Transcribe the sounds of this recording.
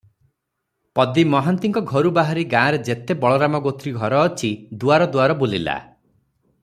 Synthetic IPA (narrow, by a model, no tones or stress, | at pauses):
pɔd̪imɔɦant̪iŋkɔɡʱɔɾubaɦaɾiɡãːɾed͡ʒet̪ebɔɭɔɾamɔɡot̪ɾiɡʱɔɾɔːt͡ʃʰid̪uaɾɔd̪uaɾɔbolila̰